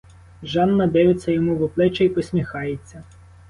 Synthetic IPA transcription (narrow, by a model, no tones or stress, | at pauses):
ʒɑnːɐd̪ɛjɪt͡sʲːɐjɔmuʋɔplˠɛt͡ʃɛjpɔsʲmʲixɑjet͡sʲːɐ